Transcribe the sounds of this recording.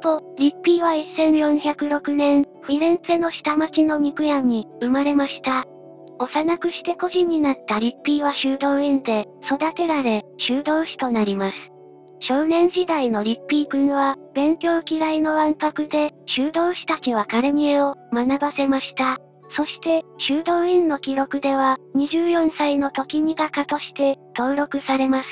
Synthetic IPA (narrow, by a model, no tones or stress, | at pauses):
t̪oɾʲipʲːiːβaisːẽ̞ɰ̃jõ̞ɰ̃çakɯ̟ɾo̞kɯ̟nẽ̞ɰ̃ | ɸiɾẽ̞nseno̞ɕi̥t̪amat͡ɕino̞mʲikɯ̟jaɲ̟ːiɯ̟maɾe̞maɕi̥t̪a | o̞sanakɯ̟ɕi̥t̪e̞ko̞ʑĩɲ̟ːinat̪ːaɾʲipʲːiːβaɕɨːd̪o̞ːẽnd̪e̞ | so̞d̪at̪e̞ɾaɾe̞ɕɨːd̪o̞ːɕi̥t̪o̞naɾʲimasɨ̥ | ɕo̞ːnẽ̞ɰ̃ʑid̪aino̞ɾʲipʲːiːkɯ̟̃ɰβab̥ẽ̞ŋkʲo̞ːkʲiɾaino̞βãmpakɯ̟d̪e̞ɕɨːd̪o̞ːɕi̥t̪at͡ɕiβ̞akaɾemʲieomanabase̞maɕi̥t̪a | so̞ɕi̥t̪e̞ɕɨːd̪o̞ːĩnːo̞kʲiɾo̞kɯ̟d̪e̞βaɲ̟iʑɨːjõ̞ɰ̃saino̞t̪o̞kʲimiɡakat̪o̞ɕi̥t̪e̞t̪o̞ːɾo̞kɯ̟saɾe̞masɨ̥